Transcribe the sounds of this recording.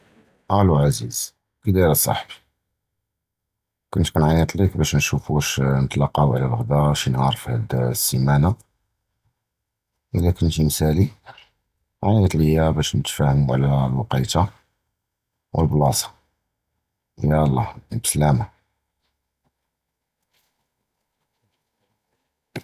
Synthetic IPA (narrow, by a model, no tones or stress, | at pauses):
ʔæluʕaziz | kəd̪iɾæsˤɑ̰ħbi̥ | kʊnt̪kʊnʕanæt̪likbæʃnnʃufuʃnət̪lɑqːɑwʕlælɣd̪æʃinhɑɾˤfihæd̪sːimæna | ʔəlːækʊnt̪msæli | ʕanjæt̪ləjːæbæʃnət̪fæhmuʕlælwɑqɑjt̪a | wəlblɑsɑ̥ | ʔjælˤːɑbslæma